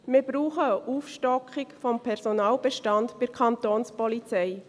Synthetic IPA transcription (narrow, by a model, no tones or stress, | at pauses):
mɪɾbɾuːχəəʔuːfʃtɔkχɪkfɔmpʰɛɾsɔnɑːlb̥ɛʃtɑndb̥ɪɾkʰɑnt̪oːnspɔlit͡sɛɪ